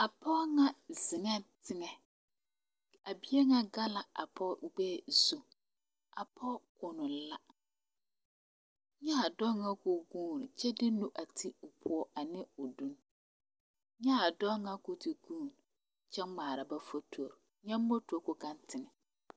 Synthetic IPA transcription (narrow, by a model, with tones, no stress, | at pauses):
a˨pʰɔ˦ŋã˦zɪ˨ŋɛ̃˦tʰɪ˦ŋɛ̃˨ | a˨bi˦e˦ŋã˨ɡa˦la˨a̰˨pʰɔ˦˨ɡ͡bɛ˦˨su˨ | a˨pʰɔ˦kʰʊ˨nʊ̃˨˦la˦ | ɲã˦a˨dɔ˦ŋã˦kʊ˨ɡũ˦˨n˨t͡ɕʰɛ˦dɪ˦nũ˦ʔa˨tʰi˦ʊ˨pʰʊ˦ɔ˦ʔa˨nɪ̃˦ʊ˨dũ˦n | ɲã˦a˨dɔ˦ŋã˦kʊ˨tʰi˨ɡũː˦˨n | t͡ɕʰɛ˦m˦mãː˨ɾa˨ba˦fɔ˦tʰo˨ɾ | ɲã˦m̩˦bo˦tʰu˨ɔ˨kʊ˨kã˦ntʰɪ˨ŋɛ̃˨